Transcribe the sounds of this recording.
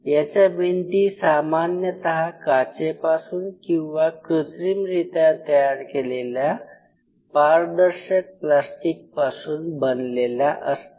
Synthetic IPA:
jat͡ɕabʱiɳʈiːsamanjət̪əɦakat͡ɕepasuːnkĩw̃ʋakɾət̪ɾimɾit̪ãt̪əjaɾkelelja | paɾd̪əɾɕək̚plasʈik̚pasuːnbənleljaʔəst̪

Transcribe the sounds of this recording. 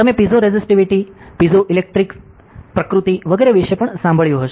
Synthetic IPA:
t̪əmepid͡zoɾed͡zisʈiʋiʈiːpid͡zoʔilek̚ʈɾiks | pɾəkɾut̪iʋəɡəjɾeʋiɕepəɳsãmbʱəɭjoɦəʃ

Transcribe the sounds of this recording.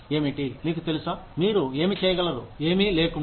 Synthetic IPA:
e̞ːmeɳʈiniːkut̪e̞lusaːmiːɾue̞ːmit͡ʃɛːjɐɡɐlɐd̪ṵeːmile̞ːkuɳ

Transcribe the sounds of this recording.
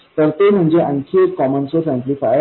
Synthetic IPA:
t̪əɾt̪em̤əɳd͡zeʔə̃ŋkʰiːɾkɔmənsosẽmplifaj

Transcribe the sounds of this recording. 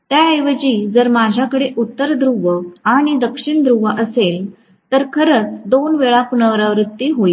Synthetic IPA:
t̪jaəjʋəd͡ʑiːd͡zəɾmad͡ʑʱjakəɽeʔut̪ːəɾd̪ɾuʋəaɽ̃id̪əkʂiɳd̪ɾuʋəʔəsel | t̪əɾkʰəɾət͡sd̪onʋeɭãkunəʋɾaʋɾut̪ːiɦoi

